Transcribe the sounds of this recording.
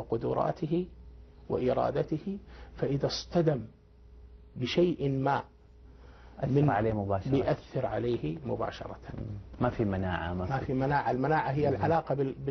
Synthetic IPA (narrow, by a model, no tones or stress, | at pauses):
ɪqʊd̪ʊɾˤʔɑ̰ːt̪ɪɦɪwɪ̰ʔɪɾˤɑ̰ːd̪at̪ɪhɪfaʔɪðast̪ad̪am | bɪʃajʔmaː | mɪnʕaleːhmʊbaːʃbɪjʔaθːɪɾʕaleːhɪmʊba̰ːʃɑ̰ɾˤɑt̪amafimanaːʕa̰mamafimanaːʕalmanaːʕaɦɪjːalʕalaːqɑbbɪ